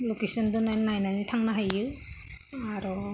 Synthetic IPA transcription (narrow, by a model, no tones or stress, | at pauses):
lokesɔndɔnanajnanitʰaŋnaɦajɯ | aɾɔ